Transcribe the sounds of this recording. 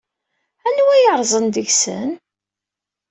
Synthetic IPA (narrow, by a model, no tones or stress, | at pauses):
ænwæjəɾˤzˤənd̪əʝsə̰n